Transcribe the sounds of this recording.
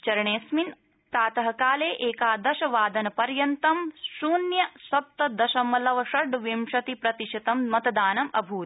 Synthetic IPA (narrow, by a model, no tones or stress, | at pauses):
t͡ʃɐɾɐɳeːsmin | t̪aːt̪ɐɦɐkaːleːʔeːkaːd̪ɐʃɐʋaːd̪ɐnɐpɐɾjɐnt̪ɐmʃuːnjɐsɐp̚t̪ɐd̪ɐʃɐmɐlɐʋɐʂɐɖʋimʃɐt̪ipɾɐt̪iʃɐt̪ɐmmɐt̪ɐd̪aːnɐmɐ̰bʱuːt̪